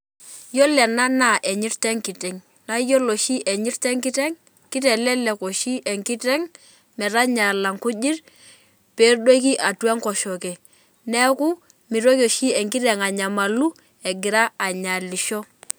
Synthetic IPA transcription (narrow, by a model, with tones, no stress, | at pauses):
jɔ˦lɛ˨na˦na˨ʔɛ˨ɲi˦rtɛ˦ŋki˨tɛ˨ŋ | na˦jo˦lo˨ʃi˦ʔɛ˨ɲi˦ɾtɛ˦ŋki˦tɛ˦ŋ | ki˦tɛ˨lɛ˦lɛ˨ko˨ʃi˦ʔɛ˨ŋki˦tɛ˦ŋ | mɛ˨ɾa˦ɲa˨la˨ŋku˦d͡ʒi˦r | pe˨˦ɾdo˦ki˦ʔa˨tu˦a˦ŋkɔ˨ʃɔ˨kɛ˨ | nɛ˦ku˦ | mi˨ɾo˦ko˨ʃi˦ɛ˨ŋki˦ɾɛ˨ŋa˨ɲa˨ma˨lu˦ | ɛ˨ɡɪ˨ɾa˦a˨ɲa˨li˨ʃɔ˦